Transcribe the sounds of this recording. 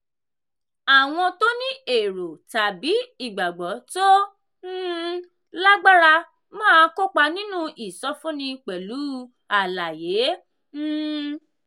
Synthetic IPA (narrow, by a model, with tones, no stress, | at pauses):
a˨w̃ɔ̃˧to˦nĩ˦e˨ɾo˨ta˨bi˨˦i˦˨ɡ͡ba˨ɡ͡bɔ˨˦to˦ | la˦ɡ͡ba˦ɾa˧ | mɔ̃˦ã˧ko˦k͡pa˧nĩ˦nũ˦ʔi˨sɔ˦fũ˦nĩ˧k͡pɛ˨lu˨˦ | a˨la˨je˨˦